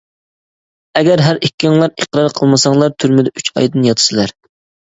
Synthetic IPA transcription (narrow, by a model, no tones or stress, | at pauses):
ɛɡʲæɾɦæɾikʲːɪŋlˠɑɾeqɾɑɾqʰəlˠmɨsɑŋlˠɑɾt̪ʰyɾmɪd̪ɛyt͡ʃɑ̰jd̪ɨnjɑt̪ʰɨ̥sɨlˠɑɾ